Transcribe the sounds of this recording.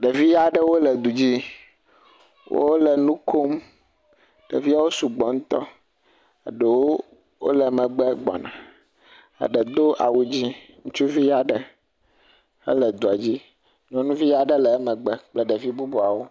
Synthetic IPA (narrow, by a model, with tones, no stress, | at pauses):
ɖe˨vi˦ja˨ɖə˦wo˦lɛ˨d̪u˨d͡ʑi˦ | wo̰˦o˦lɛ˨nũ˦kʰo˦m | ɖ̥ḛ˨vi˦a˦wo˦su˨ɡ͡bɔ˨ŋũ˦t̪ɔ˦ | a̰˨ɖɛ˨wo˦ | wo̰˦lɛ˨˦mɛ̃˨ɡ͡bɛ˦ɡ͡bɔ̰˨nã̰˨ | a̰˨ɖə˨d̪o˦ʔa̰˨wu˦d͡ʑi˦ | ŋũ˦t͡ʃu˦vi˦ja˨ɖə˨ | ə̰˦lɛ˨d̪o˨a˨d͡ʑi˦ | ɲɔ̃˨nũ˦vi˦ja˨ɖə˦lɛ˨˦mɛ̃˨ɡ͡bɛ˦k͡plɛ˦ɖɛ˨vi˦bu˦bu˨a˨wo˦